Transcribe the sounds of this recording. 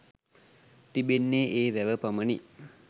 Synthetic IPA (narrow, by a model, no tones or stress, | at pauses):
t̪ibenːeːʔeːʋæʋəpaməni